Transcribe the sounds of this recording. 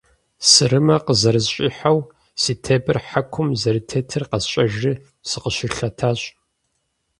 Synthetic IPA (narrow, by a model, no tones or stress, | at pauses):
sɨɾɨmɐqəzɐɾɨzɕʼḭːħaw | siːtʰebɨrħakʷʰʊmzɐɾɨtʰetʰɨrqɐzɕʼɐʒɨ | sɨqəɕɪrɬɐtʰaːɕʼ